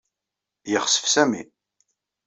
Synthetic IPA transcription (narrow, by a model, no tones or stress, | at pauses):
jəχsə̥fsæmḭ